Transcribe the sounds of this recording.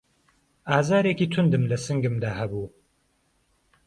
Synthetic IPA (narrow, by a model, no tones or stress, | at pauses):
aːzaːɾeːkiːt̪ʰʊnd̪ɨmlɐsɨŋɡɨmd̪aːhɐbuː